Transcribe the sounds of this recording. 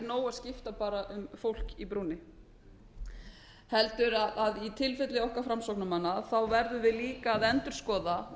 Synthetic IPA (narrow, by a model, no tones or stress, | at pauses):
ɾnoːwascɪft̪apaːɾaʔʏmfowl̥kipɾuːnɪ | hɛlt̪ʏɾaðaðit̪ʰɪlfɛt̪lɪɔhkafɾamsɔwknamanːaθawvɛɾðʏvɪðliːkaːðɛnt̪ʏɾ̥skɔːða